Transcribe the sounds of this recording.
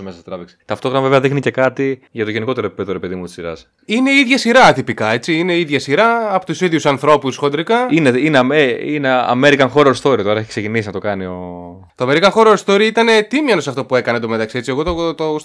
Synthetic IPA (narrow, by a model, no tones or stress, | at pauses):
omesɐset̪ɾɐveksi̥t̪ɐft̪oɣɾɐnɐveveɐðixnice̞kɐt̪iʝɐt̪o̞ʝe̞niko̞t̪e̞ɾopipeðoɾepe̞ðimut̪isiɾɐ̰s | ine̞iðʝɐsiɾɐt̪ipikɐe̞t͡siine̞iðʝɐsiɾɐɐpot̪usiðiusɐnθɾo̞pusxod̪ɾikɐineineɐmeineɐ̰me̞ɾikɐnxo̞ɾoɾst̪o̞ɾit̪o̞ɾɐeçiksecinisinɐt̪o̞kɐnio̞ | t̪oɐme̞ɾikɐxo̞ɾoɾst̪o̞ɾiit̪ɐne̞t̪imjɐnosɐft̪opue̞kɐnend̪ome̞t̪ɐksie̞t͡sieɣo̞t̪ot̪o